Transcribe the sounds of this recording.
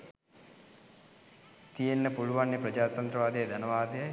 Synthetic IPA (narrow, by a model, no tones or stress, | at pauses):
t̪ijenːəpuɭuʋanːjepɾɐd͡ʒaːt̪ɐnt̪ɾɐʋaːd̪ejəd̪ʱɐnəʋaːd̪ɐj